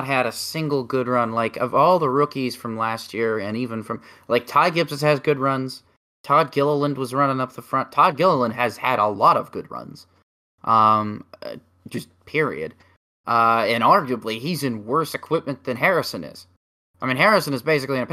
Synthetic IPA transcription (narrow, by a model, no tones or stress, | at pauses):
t̚ɦɨɾɨsɪ̃ŋɡl̩ˠɡʊd̚ɹʌ̃nlaɪkʌvɔlˠðəɹʊkiz̥fɹʌ̃mlæst̚jɪɹɨ̃nivɨ̃nfɹʌ̃mlaɪk̚tʰaɪɡɪpsɨz̥ɨzɡʊd̚ɹʌ̃nz̥ | tʰɑd̚ɡɪlˠəlˠə̃nd̚wʌzɹʌ̃nɪ̃ŋʌp̚ðəfɹʌ̃ntʰɑd̚ɡɪlˠəlˠə̃nd̚ɨz̥ɨɾəlɔɾʌvɡʊ̰d̚ɹʌ̰̃nz̥ | ʔʌ̃mʌ̰ | d̥d͡ʒ̥ʌs̚ | pʰɪɹḭɨ̰d | ʔʌɨ̃nɑɹɡjəbliizɨ̃nwɜ˞sɨkʰw̥ɪp̚mɨ̃nðɨ̃nɦɛɹɨsɨ̃nɪ̰z̥ | aɪmĩnɦɛɹɨsɨ̃nɨzbeɪs̬ɨkliɨ̃nɨ